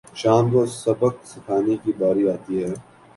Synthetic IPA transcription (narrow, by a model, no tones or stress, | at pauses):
ʃaːmt̪osɐbək̚sɪkʰaːnekibaːɾiaːt̪iɦɛː